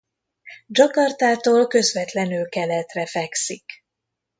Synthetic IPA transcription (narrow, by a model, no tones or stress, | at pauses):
d͡ʒɒkɒrt̪aːt̪oːlkø̞zvɛt̪lɛnylkɛlɛt̪rɛfɛksik